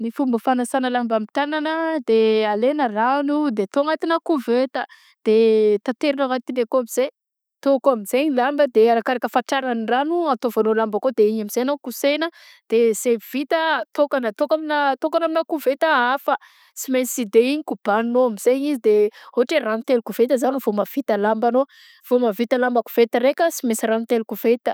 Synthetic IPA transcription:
nifumbəfanasanəlambamit̪ananəd̪ealenəranud̪et̪oŋat̪inakuvet̪ə | d̪̥et̪at̪eɾinavat̪inekoamiz̥e | t̪okoamizeɲilambəd̪eaɾakaɾakʲəfaʈ͡ʂaɾaniranuat̪ovanolambakod̪eiɲamiz̥ejnokusenə | d̪̥ez̥ev̥it̪ət̪okanət̪okaminat̪okanaminakuvet̪əafə | simesid̪eiɲikub̥annoamiz̥eɲizid̪ehoʈ͡ʂeranut̪elukuv̥et̪əzaniv̥omav̥it̪alambano | v̥omavit̪alambəku̥v̥et̪əɾekʲəsimesiɾanut̪elukuv̥et̪ə

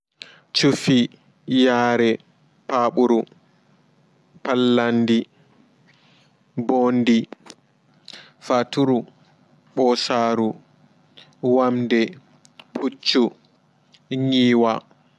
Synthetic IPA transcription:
t͡ʃufi | jaːɾɛ | paːɓuɾu | palːandi | bondi | fatuɾu | ɓɔsaːɾu | wamdɛ | pʰut͡ʃːu | ŋiːwa

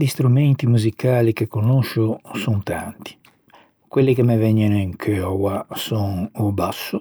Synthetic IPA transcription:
d̪ist̪ɾumɛnt̪imuzikaːlikekːonoʃːusunt̪ant̪i̥ | kwelːikemɛvɛɲːɛniŋkʰøɔwasɔŋubasːu

